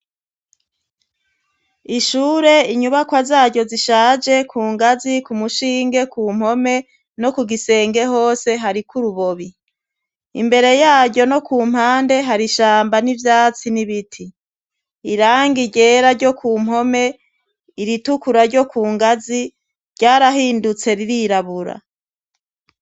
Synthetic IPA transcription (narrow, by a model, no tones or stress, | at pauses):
iʃuːɾe̞iɲuβakwazaːɾɟo̞ziʃaːd͡ʒe̞kʰuːŋɡazikumuʃiːŋɡe̞kuːm̥ho̞me̞ | no̞kuɡise̞ːŋɡe̞ɦo̞ːse̞ɦaɾikuɾuβo̞βi | ḭmbe̞ɾe̞jaːɾɟo̞no̞kuːm̥haːnde̞ɦaɾiʃaːmbanivjaːt͡siniβitʰiː | ɾaːŋɡiɟe̞ːɾaɾɟo̞kʰuːm̥ɦo̞me̞ | iɾitukuɾaɾɟjo̞kʰuːŋɡazi | ɾɟaːɾaɦiːndut͡se̞ɾiɾiɾaβuɾa̰